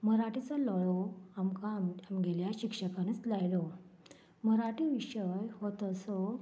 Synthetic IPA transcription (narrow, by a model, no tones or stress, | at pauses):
məɾaʈit͡salɔɭoamkamamɡeljaɕikʂəkañiːt͡slajlo | məɾaʈiʋiɕəjhot̪əso